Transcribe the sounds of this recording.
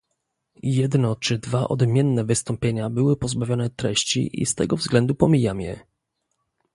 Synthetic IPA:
jɛd̪nɔt͡ʂɘd̪vaʔɔ̰d̪mʲjɛnːɛvɘst̪ɔmpʲjeɲabɘwɘpɔzbavʲjɔnɛt̪ɾɛɕt͡ɕḭʔḭst̪ɛ̰ɡɔvzɡlɛnd̪upɔmʲijamjɛ̰

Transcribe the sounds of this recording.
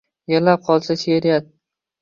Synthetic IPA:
jeɾlap̚qʰɒlˠsaʃeɾijat̪̚

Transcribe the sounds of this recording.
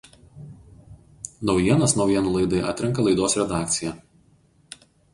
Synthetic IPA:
nɒʊjiɛnɐsnɒʊjiɛnuːlˠɐɪd̪ɐɪʔɐ̰t̪ʲɾʲɪŋkɐlˠɐɪd̪oːsɾʲɛd̪ɑːkt̪sʲɪjæ

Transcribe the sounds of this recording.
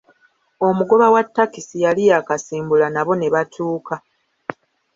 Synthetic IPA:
o̞muɡo̞βawatːakisijalijakasiːmbulanaβo̞ne̞βatʰuːka

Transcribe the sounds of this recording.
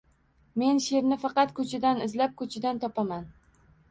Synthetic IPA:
me̞nʃe̞ɾnɪfɑqɑt̪kʰɵt͡ʃʰɪd̪anɪzlap̚kʰɵt͡ʃʰɪd̪ant̪ʰɒpʰaman

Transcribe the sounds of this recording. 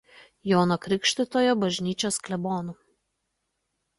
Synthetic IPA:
joːnokɾʲɪkʃʲt̪ʲɪt̪oːjoːbɐʒʲnʲiːt͡ʃʲoːsklʲɛboːnʊ

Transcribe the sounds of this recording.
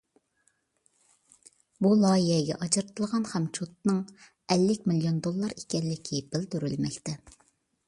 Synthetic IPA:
bulˠɑjiɦɛɡʲɛ̰ʔɑt͡ʃɨɾɨt̪ʰɨlˠʁɑnχɛmt͡ʃʰut̪̚nɨŋ | ɛlːɪkʲmilijond̪olˠːɑɾekʲɛnlːɪkʲʰib̥ɪld̪yɾylmɛkʲt̪ɛ

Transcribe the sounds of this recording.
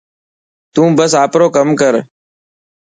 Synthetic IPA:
t̪ũːbəsaːpɾoːkəmkəɾ

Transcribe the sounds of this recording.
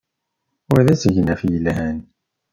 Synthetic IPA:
ʊɾðæsəʝnæfjəlhæn

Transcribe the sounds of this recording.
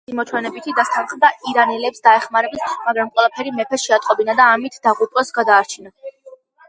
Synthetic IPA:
imɔt͡ʃ̪ʰwɛnɛbit̪ʰid̪ast̪ʰanχmd̪aʔiɾanɛlɛpsd̪aɛχmaɾɛbismaɡɾamqʼwɛlˠapʰɛɾimɛpʰɛʃɛat̪ʼqʼɔbinad̪aːmit̪ʰd̪̥aʁupʼɔsɡad̪aːɾt͡ʃʰina

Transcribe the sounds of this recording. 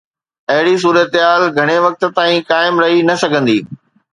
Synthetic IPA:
ɐɦɪɽis̬uːɾət̪ɦaːlɡʱɐɽ̃eʋɐk̚t̪̆t̪aːĩkaːɪmɾɐɦinɐsɐɡʱə̃nd̪iː

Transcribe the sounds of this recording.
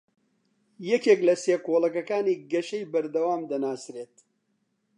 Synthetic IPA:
jɛkeːklɐseːkoːlɐkɐkaːniːɡɐʃɐjbɐɾd̪ɐwaːmd̪ɐnaːsɾeːt̪

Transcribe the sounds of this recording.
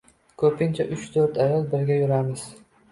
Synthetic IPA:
kʰɵpʰɪnt͡ʃʰaʔʊt͡ʃt̪ʰɵɾt̪ʰajɒlˠbɪɾɡʲajʊɾamɪz̥

